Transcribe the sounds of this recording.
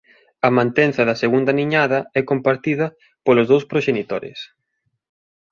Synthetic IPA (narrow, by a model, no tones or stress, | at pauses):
ɐmãnt̪ɛn̟θɐðɐseɣund̪ɐniɲaðɐɛkompaɾt̪iðɐ | polozðowspɾoʃenit̪oɾɪ̰s